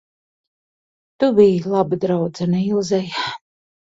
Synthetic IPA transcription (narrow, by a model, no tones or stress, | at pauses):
t̪ubijlˠabɨd̪ɾawd̪zanilˠzɛj